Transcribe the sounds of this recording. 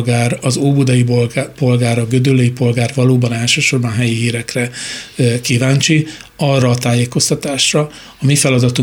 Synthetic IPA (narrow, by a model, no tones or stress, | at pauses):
ɡaːrɒzoːbud̪ɒjibpo̞lɡaːɾɒɡød̪ølːøjipo̞lɡaːrvɒloːbɒnɛlʃøːʃo̞rbɒnɦɛjiɦiːɾɛkrɛ | kivaːnt͡ʃiɒrːɒːt̪aːjeːko̞st̪ɒt̪aːʃrɒ | ɒmifɛlɒd̪ɒt̪u